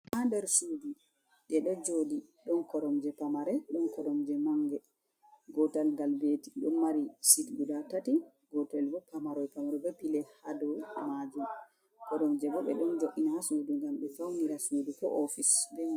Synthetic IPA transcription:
ʔandɛɾsudu | ɗɛɗɔd͡ʒodiɗɔnkɔɾɔmd͡ʒɛpamaɾɛɗɔnkɔɾɔmd͡ʒɛmaŋɡɛ | ɡɔtalɡalbetiɗɔnmaɾisitɡudatati | ɡɔtɛlbɔpamaɾɔjpamaɾɛbɛpilɛhadɔmad͡ʒum | kɔɾɔmd͡ʒɛbɔɓɛ̰ɗɔnd͡ʒoʔinahasuːduŋɡamɗɛfawniɾasuːdukɔ̰ʔɔfisdɛ

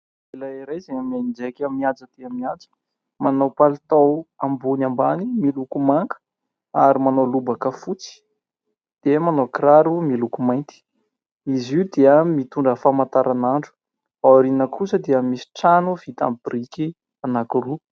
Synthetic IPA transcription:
elaiɾajzeŋəmanind͡ʒekamiad͡zət̪eamiand͡zə̥ | manowpalit̪awambunambanimilukumaŋkə̥ | aɾimanolubakəfut͡si̥ | d̪̥emanokɾaɾumilukumajnt̪i̥ | iziud̪eəmit̪uɳɖ͡ʐəfamãnt̪aɾʔanaɳɖ͡ʐu̥ | awɾinəkʰusəd̪eəmisi̥ʈ͡ʂanuv̥it̪a̰mpirikʲi | anakuru

